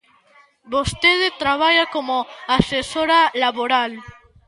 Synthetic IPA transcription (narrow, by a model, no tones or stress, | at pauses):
bost̪eðet̪ɾaβ̞aʎakomoasesoɾalaβoɾal